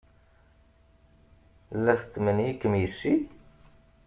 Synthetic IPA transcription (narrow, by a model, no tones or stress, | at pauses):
lːæθət̪ːmənjikːəmjəsːi